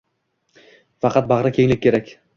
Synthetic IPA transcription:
fɑqʰɑt̪̚bɑʁɾakʲʰe̞ŋlɪk̚ʲkʰʲːe̞ɾakʲ

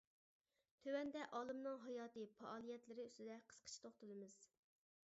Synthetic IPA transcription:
t̪ʰøwɛnd̪ɛʔɑːlˠɨmnɨŋɦɑjɑːt̪ɨpʰɑʔɑːlˠijɛt̪lɪɾɪyst̪ɪd̪ɛqʰə̥sqʰə̥t͡ʃʰi̥t̪ʰoχt̪ɨlˠɨmɨz̥

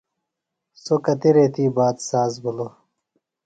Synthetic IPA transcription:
sokɐt̪eɾeːt̪iːbaːd̪saːzbulo

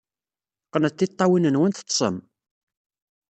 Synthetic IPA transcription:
qːənət̪ːit̪ˤːɑwinənwænt̪ə̥t̪ˤːsˤə̰m

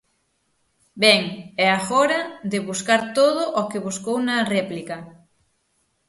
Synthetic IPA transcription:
bɛŋɛaɣoɾad̪eβuskaɾt̪oðoʔɔkeβuskownarɛplika

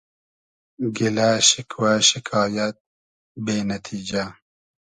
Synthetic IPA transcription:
ɡɪlaʃɪkʰwaʃikʰɑːjɐt̪̚ | beːnɐt̪ʰiːd͡ʒa

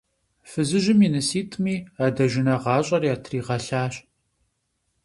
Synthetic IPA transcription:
fɨzɨʒɪminɨsiːtʰʼmiːaːdɐʒɪnɐʁɑːɕʼɐrjaːtʰriːʁɐɬaːɕ

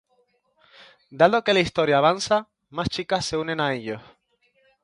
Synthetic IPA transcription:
d̪aðo̞ke̞laist̪o̞ɾjaːβansa | mast͡ʃikasːe̞unẽ̞nae̞ʎo̞s

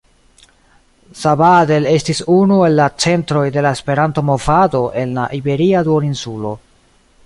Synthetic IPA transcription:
sabade̞le̞stisunue̞lːat͡se̞ntɾo̞jde̞lae̞spe̞ɾanto̞mo̞vado̞ʔe̞nlaʔibe̞ɾiaduoɾinsulo̞

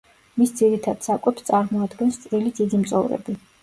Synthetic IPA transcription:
misd̪ziɾit̪ʰad̪̥sakʼwɛpst̪sʼaɾmɔad̪ɡɛnst̪sʼɾilid̪id̪imt̪sʼɔ̰vɾɛ̰bi

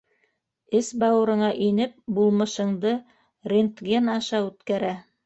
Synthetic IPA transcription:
ɘsbɑwɤ̆ɾɤ̆ɴɑʔinɘp̚bulˠmɤ̆ʃɤ̆ɴd̪ɤ | rʲent̪ɡʲenɑʃɑʉt̪kæɾæ

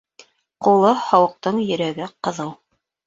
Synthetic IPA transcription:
qulˠɤhɑwɤ̆q̚t̪ɤɴjɵ̆ɾæɡɘqɤ̆ðɤw

